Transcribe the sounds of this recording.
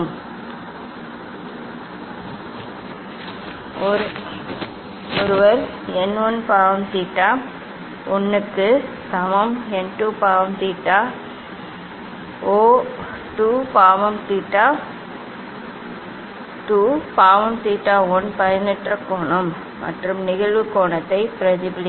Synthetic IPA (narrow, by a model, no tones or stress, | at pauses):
m | ɾ | oɾɯʋɐɾ | enːonːpaːʋɐmt̪iːʈːaː | onːɯkːɨ | sɐmɐmenʈupaːʋɐmt̪iːʈːa | oː | ʈuːpaːʋɐmt̪iːʈːaː | ʈuːpaːʋɐmt̪iːʈːaːɔnpɐjɐnɛʈrɐkːoːɳɐɯmː | ɐ̰ʈrɯmnɪɣɐɭʋɯkːoːɳɐt̪ːɐɪpɪɾɐðɪbɪlɪ